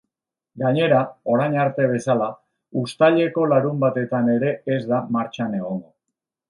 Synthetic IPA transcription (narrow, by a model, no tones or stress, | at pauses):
ɡaɲe̞ɾao̞ɾajɲaɾt̪e̞β̞e̞sala | ust̪aʎe̞ko̞laɾumbat̪e̞t̪ane̞ɾe̞ːzðamaɾt͡ʃane̞ɣ̞o̞ŋɡo